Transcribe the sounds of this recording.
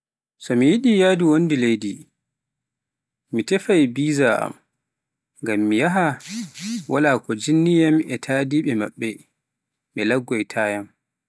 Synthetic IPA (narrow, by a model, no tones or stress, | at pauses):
sɔmijiɗijadiwondilejdi | mitɛfajbiːzaʔa̰m | ŋɡamːijaɦa | wʔalaːkɔd͡ʒinːijamɛtʰaːdiːɓɛma̰ɓːɛ | ɓɛlaɡːɔjtʰaːjam